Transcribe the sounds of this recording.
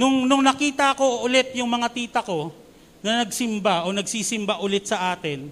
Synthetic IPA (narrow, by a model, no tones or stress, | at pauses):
nʊŋnʊŋnɐkiːt̪ɐɐko̞ʔʊlɛt̪̚jʊŋmɐŋat̪iːt̪ɐko̞ | nɐnɐɡsɪmbaʔo̞nɐɡsiːsɪmbaʔʊlɛt̪̚sɐʔaːt̪ɪn